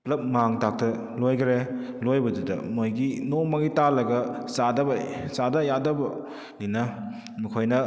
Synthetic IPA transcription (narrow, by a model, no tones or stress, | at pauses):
plɐp̚maŋtak̚tɐ | lojɡɾelojbɐdudɐ̰mojɡinomɐɡitalɐɡɐsadɐbɐsadɐjadɐbɐ | linɐ | mikʰojnɐ